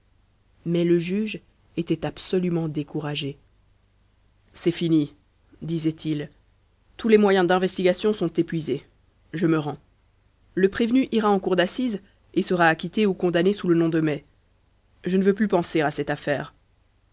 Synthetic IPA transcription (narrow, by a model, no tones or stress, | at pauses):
mɛləʒyʒ | et̪ɛt̪apsɔlymɑ̃d̪ekuʁaʒe | sɛfini | d̪izɛt̪ʰil | t̪ulɛmwajɛ̃d̪ɛ̃vɛst̪iɡasjɔ̃sɔ̃t̪epɥize | ʒəməʁɑ̃ | ləpχevnyʔiʁaɑ̃kuʁd̪asiz | esəʁaːkʲit̪eukɔ̃d̪anesulənɔ̃d̪əmɛ | ʒənəvøplypɑ̃seʁasɛt̪afɛːʁ